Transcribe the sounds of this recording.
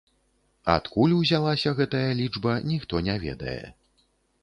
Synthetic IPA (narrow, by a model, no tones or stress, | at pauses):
a̰t̪kulʲwzʲalˠasʲɐɣɛt̪ɐjɐlʲid͡ʐbɐnʲixt̪ɔnʲɛvʲɛ̰d̪ɐ̰jɛ̰